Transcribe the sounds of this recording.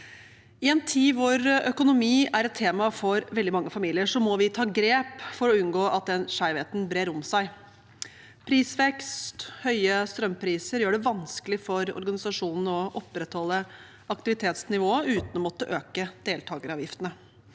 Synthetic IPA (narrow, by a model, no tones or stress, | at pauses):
ɪɛnt̪ʰiːʋoːɾœkʊnʊmiːæɾɛt̪ʰːeːmɑfɔɾʋɛld̪ɪmɑŋːəfɑmiːlɪəʂɔmɔʋɪt̪ʰɑːɡɾeːpfɔɾɔʉnɡoːʔɑt̪̚d̪ɛnʂæɪʋeːt̪n̩bɾeːɾʊmsæɪ | pʰɾiːsʋɛkst̪hœʏəst̪ɾœmːpʰɾiːsəɾjøːɖɛʋɑnskəlɪfɔɾɔ̰ɾɡɑnɪsɑʂuːnn̩ɔʔɔpːɾɛt̪hɔlːə | ɑkt̪ɪʋɪt̪ʰeːt̪snɪʋoːəʉːt̪nɔmɔt̪ːəʔøːkəd̪̥eːlt̪ʰɑːɡəɾɑːʋjɪft̪ənə